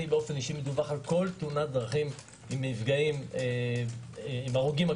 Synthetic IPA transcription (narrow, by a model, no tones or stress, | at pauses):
ibeo̞fe̞niʃimed̪uvaχalko̞lt̪unat̚d̪ʁaχim | imifɡaime | imaʁuɡima